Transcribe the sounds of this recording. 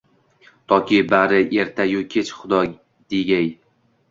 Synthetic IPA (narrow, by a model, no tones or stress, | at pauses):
t̪ʰɒkʲibaɾɪʔe̞ɾt̪ʰajʊkʲʰet͡ʃχʊd̪ɒ | d̪̥eɡʲaj